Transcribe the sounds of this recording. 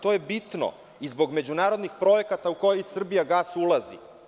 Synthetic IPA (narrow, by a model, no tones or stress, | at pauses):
t̪o̞jebit̪no̰ | izbo̞ɡme̞d͡ʑunaːɾo̞d̪nixpɾo̞je̞kat̪auko̞jojsr̩bijaɡasulˠazḭ